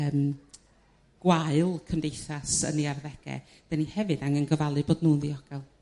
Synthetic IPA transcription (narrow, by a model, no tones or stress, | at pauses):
əːm | ɡ̥waɨlˠkʰəndejθasə̰niarðɛɡ̥ɛ̰ | d̥anihɛvɨdaŋənɡəvalˠɨboːdnuːnðiɔɡ̥ɛlˠ